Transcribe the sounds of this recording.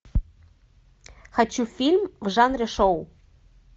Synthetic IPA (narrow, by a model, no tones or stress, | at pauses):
xat͡ɕufʲilʲmvʒɑnrʲeʃow